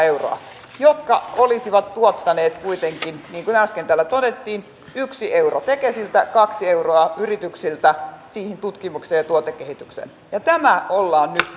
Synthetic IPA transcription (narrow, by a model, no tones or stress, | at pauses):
euro̰ɑ̰ | jot̪kɑolisiʋɑt̪t̪uot̪ːɑneːt̪kuit̪eŋkinniːŋkunæˑskent̪ælːæt̪odet̪ːiːn | yksiʔeurot̪ekesilt̪ækɑksieuroɑyrit̪yksilt̪æsiːhint̪ut̪kimukseːjɑt̪uot̪ekːehit̪yksḛn | jɑt̪æmæolːɑːnnyt̪